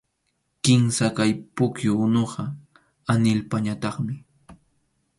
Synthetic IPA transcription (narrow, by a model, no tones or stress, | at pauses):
kɪmsakajpʊkjʊnoɢɑ | anɪlpaɲat̪ɑχmɪ